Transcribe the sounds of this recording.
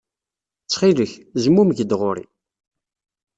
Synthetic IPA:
t͡sːχiləçzəmːumʝəd̪ʁʊɾḭ

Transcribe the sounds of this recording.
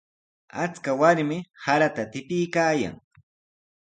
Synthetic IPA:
at͡skawaɾmɪhaɾat̪at̪ɪpɪjkaːja̰ŋ

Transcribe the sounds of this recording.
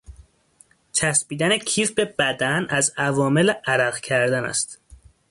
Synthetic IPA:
t͡ʃʰæsbiːd̪ænecʰiːfbe̞bæd̪ænæzævɒːme̞leʔæɾæɣcʰæɾd̪ænæ̰st̪

